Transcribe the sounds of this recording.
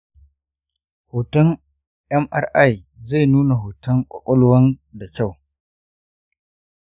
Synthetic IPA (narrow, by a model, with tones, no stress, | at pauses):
hoː˨tɐ˦n | ʔɛ˦mʔa̰˦rʔa˦˨j | ze˦˨nuː˦na˨ho˨tɐ˦ŋkʷʼɔ̰˨kʼʊ˦lwɐ˦nda˨kʲa˦˨w